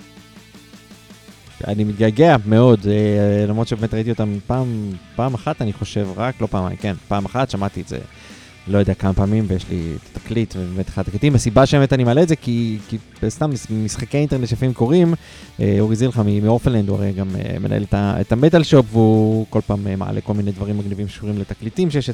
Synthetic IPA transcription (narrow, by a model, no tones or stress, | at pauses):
a̰nimit̪ɡalɡeame̞o̞delamʁot̪ʃebemet̪ʁait̪io̞t̪ampaːmpaːmaχat̪aniχo̞ʃe̞vʁaklo̞paːmkenpaːmaχat̪ʃamat̪iezḛ | lo̞jo̞d̪eakamapaːmimvejeʃlḭḛt̪ḁt̪ḁklit̪vebemet̪ḁχadt̪aklit̪imasibaʃeeetanimaleːtzekiki | st̪amːsmisχakejint̪e̞ʁnetʃejafimko̞ʁim | eoʁizileχamimio̞fnlend̪ua̰ʁejɡamḛmḛna̰ʔḛlet̪aḛt̪amet̪alʃo̞pveuko̞lpaːmema̰a̰lʔeko̞lmined̪vaʁimːaɡnivimʃe̥ʃuʁimlet̪aklit̪imʃejeʃe